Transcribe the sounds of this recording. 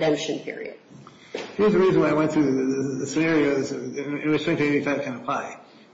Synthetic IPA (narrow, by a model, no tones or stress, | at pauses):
dɛ̃mpʃɨ̃npʰɪ̰ɹḭɨ̰d̥ | hiɹzðɨɹizɨ̃n̩waɪaɪwɛ̃ntʰɨððɨðɨsɨnɛɹioʊzɪt̚wʌz̥sʰɹɛ̃ŋtmeɪbifɨɨt̚kʰɨ̃nəpʰl̥aɪ